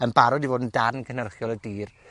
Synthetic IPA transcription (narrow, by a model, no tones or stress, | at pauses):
ənbaɾɔdivoːdn̩darnkʰənərχjɔlˠədiːr